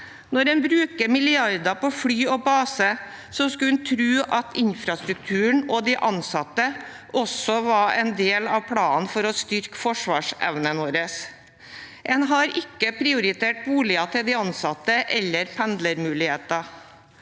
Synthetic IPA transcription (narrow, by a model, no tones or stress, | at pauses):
nɔɾɛnbɾʉːkəmɪlɪɑɾd̪ɑpɔfɽyːɔbɑːsə | sɔskɑʉnt̪ʰɾʉːʔɑt̪ɪnfɾɑst̪ɾʉk̚t̪ʰʉːəɳɔd̪ɪʔɑnsɑt̪ːə | ʔɔsɔʋɑɛnd̪eːlɑʋpʰɽɑːnfɔɾɔst̪ʏɾkfɔʂʋɑːʂɛ̰ʋnənoːɾəs | ʔɛnɦɑɾɪkːəpʰɾɪʊɾɪt̪ʰeːʈ̚buːɭɪɑt̪ʰɪld̪ɪɑnsɑt̪ːəʔɛlːəɾpʰɛnd̪ləɾmʉːlɪheːt̪ɑ